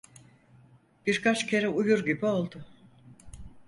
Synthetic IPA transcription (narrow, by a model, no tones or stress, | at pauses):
b̥iɾkʰat͡ʃcʲʰe̞ɾɛujuɾɟibio̞lˠd̪ʊ